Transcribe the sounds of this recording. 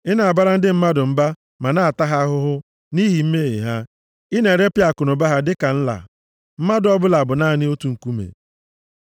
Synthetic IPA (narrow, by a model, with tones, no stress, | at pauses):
ɪ˦na˨a˨ba˦ɾa˦n̩˦dɪ˦m̩˦ma˦dʊ˨m̩˦ba˦ | ma˨na˦a˨ta˦ɦa˦ɦʊ˦ɦʊ˦ | ni˦ɦi˨m̩˦me˦ɦḭ˨ɦa˦ | ɪ˦ne˨ɾe˦pɪ˦a˦˨kʊ˨nʊ˨ba˦ɦa˦dɪ˦ka˨n̩˦la̰˨ | m̩˦ma˦dʊ˦ɔ˦bʊ˦la˨bʊ˨naː˦˨nɪ˦o˦tu˨ŋ̩˨ku˦mḛ˨